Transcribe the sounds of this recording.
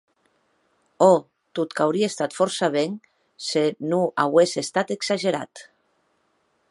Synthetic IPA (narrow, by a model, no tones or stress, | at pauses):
ɔ | t̪ut̪kawɾiest̪at̪fɔɾsaβeŋ | senuʔawesest̪at̪eksaʒeɾa̰t̪